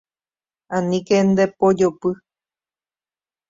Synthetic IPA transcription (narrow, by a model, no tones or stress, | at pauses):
ãnĩkend̪epod͡ʒopɨ